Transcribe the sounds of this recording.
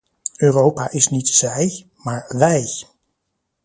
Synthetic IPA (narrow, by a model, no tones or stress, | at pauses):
øːrowpaːʔɪsnitzɛj | maːɹʋɛj